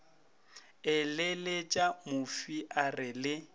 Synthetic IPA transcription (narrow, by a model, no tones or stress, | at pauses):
ɪlɪlet͡ʃʼamʊfiʔarɪlɪ